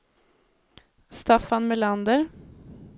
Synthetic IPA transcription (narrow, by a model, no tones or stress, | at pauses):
st̪afanmɛland̪əɾ